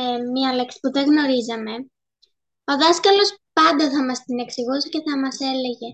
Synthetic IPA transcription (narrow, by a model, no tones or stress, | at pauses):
mɲɐle̞ksi̥puðe̞ɣno̞ɾizɐme̞ | o̞ðɐskɐlo̞spɐnd̪ɐθɐmɐst̪ine̞ksiɣusice̞θɐmɐse̞le̞ʝe̞